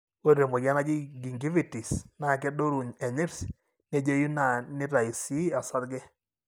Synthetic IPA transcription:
o˦ɾɾe˨mo˨ɡa˦na˦d͡ʒi˦ɡi˨ŋɡi˦vi˦˨ti˨sna˨k̬ɛ˦do˦ɾu˨ɲɛ˨ɲɪ˦ɾs | ne˦d͡ʒe˦ju˦na˨nɪ˦ɾa˨i˨si˦a˨sa˦dɡɛ˦

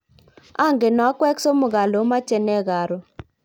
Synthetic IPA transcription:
a˦˨ŋɡɪ˨nɔ˨a˦kwɛ˦kso˦mʊ˨ɣa˨lo˨˦ma˦t͡ʃɛ˨nɛ˦˨ɣa˨ɾɔ˨

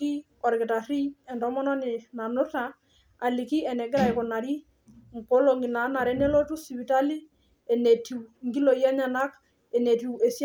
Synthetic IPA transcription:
i˦ | ɔ˨ɾkɪ˨ta˨ri˦ɛ˨ndɔ˦mɔ˦nɔ˦nɪ˨na˨nʊ˦ta˨ | a˨li˨ki˦ɛ˨nɛ˨ɡɛ˦ɾa˨ɪ˨kɔ˨na˨ɾi˦ | ŋ˨ko˦lo˨ŋi˨na˨˦na˨ɾɛ˦nɛ˦lɔ˦tu˦si˨βi˨ta˦li˦ | ɛ˨nɛ˨ti˨ŋɡi˦lo˨jɛ˦ɲa˨na˦k | ɛ˨nɛ˨ti˨ɛ˨sj

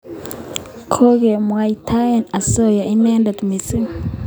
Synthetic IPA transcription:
kʰo˦ɡe˨m˨a˨itʰa˦e˨na˨so˦˨ja˨i˦neː˦nda˨tu˨mi˨t͡si˦

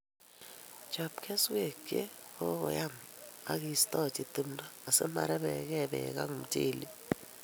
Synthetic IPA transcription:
d͡ʒ̥a˨b̚kʰɛ˦swe˨ɡɛ˦ɔ˦kɔ̰˨ja˦˨ma˦ki˦˨stʼɔ˦˨tʼi˨t̪i˦m̩˦daː˦˨sɛ̰˦ma̰˨ɾɛ˦ɓɛ˨k̬ɛ˦˨ɓɛ̰˨k̬a̰˦ŋu˨m̩˦tʼeː˨li˦

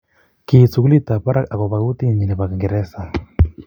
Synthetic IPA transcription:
ki˨su˨ku˦li˦t̪a˨pa˦ɾa˦ka˨kɔ˨βa˨ku˦t̪i˦˨ɲi˨ni˨βa˨ka˨ŋɡɛ˨ɾɛ˦sa˨

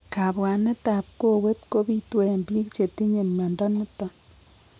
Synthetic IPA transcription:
ka˨bwa˨ne˦ta˨p̚ko˦we˦tko˦bi˦twe˦˨mbi˦kt͡ʃe˨ti˦ɲe˨mːa˨ndɔ˦nɪ˦tɔ˨n

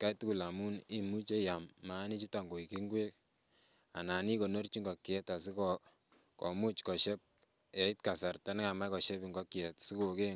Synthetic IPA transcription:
ka˦tu˦ku˨la˨mu˦ni˦mu˦t͡ʃe˦ja˨mːa˨˦ni˦t͡ʃi˦ta˨ŋɡo˨i˨ki˦ŋɡwe˦k | a̰˨na˨ni˦ko˨no˦rt͡ʃi˦ŋɡɔ˨kjɛ˦ta˨si˦kɔ | kɔ̰˨mu˦t͡ʃkɔ˨ʃɛ˦p̚ | ɛ˨i˦tka˨sa˨rta˦n˦ka˨ma˦jkɔ˨ʃɛ˦pi˨ŋɡɔ˦kjɛ˨tsi˦ko˨ke˦

